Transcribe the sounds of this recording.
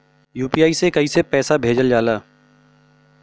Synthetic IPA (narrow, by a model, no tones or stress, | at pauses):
juːpiːjaːisekɐisepɛːsabʱeːd͡ʒəld͡ʒaːlaː